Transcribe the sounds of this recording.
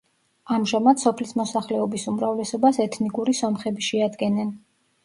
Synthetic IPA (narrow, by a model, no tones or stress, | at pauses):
amʒamad̪sɔpʰlismɔsaχlɛɔbisumɾavlɛsɔbasɛt̪ʰnikʼuɾisɔmχɛbiʃɛad̪ɡɛnɛn